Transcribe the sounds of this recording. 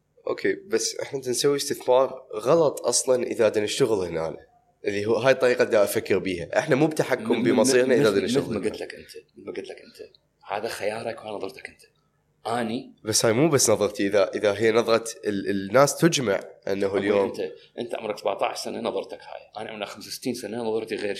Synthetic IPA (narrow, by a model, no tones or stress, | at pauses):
ʔo̰ːkʰeːbasːʔɪ̰ħnaʔnt̪ansawːist̪ɪθmɑːɾˤɣɑlɑt̪ˤʔɑsˤlɑnʔə̰ðad̪anɪʃt̪aɣəlhna̰ːla | ʔɪðiɦuɦaːjt̪ˤːɑɾiːqɑʔd̪aʔafakːɪɾbiːhaʔɪħnamuːb̚t̪aħakːʊmbəmɑsˤiːɾnaʔðad̪ɪnɪʃt̪aɣlaɡəlakʔɪnt̪ʰḁmaɡɪt̪lakʔɪnt̪ʰḁ | ha̰ːðaxajɑːɾˤakaːnɑðˤɑɾˤt̪ḁkʔənt̪ḁ | ʔaːnibasːhaːjmuːbasːnɑðˤɑɾˤt̪iʔɪðaʔəðaɦɪjːnɑðˤɾˤɑt̪ənːaːst̪ʊd͡ʒma̰ʕʔɪ̰nːaɦljjoːmt̪aʔɪnt̪aʕʊ̰mɾɑksabaʕt̪ˤa̰ːʕʃsananɑðˤɑɾˤt̪akha̰ːjʔa̰ːnʕa̰mɾnaxamsasɪ̥t̪ːiːnsananɑðˤɑɾˤt̪iɣeːɾ